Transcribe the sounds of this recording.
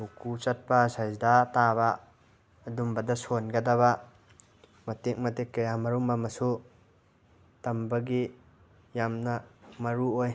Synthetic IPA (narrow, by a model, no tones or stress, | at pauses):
ukut͡ʃɐt̚pɐsazdatabɐː | dumbɐdɐsonɡɐdɐβɐ | mɐtek̚mɐtekːɐjamɐɾumbɐmɐsu | tɐmbɐɡi | jamnɐmɐɾuoj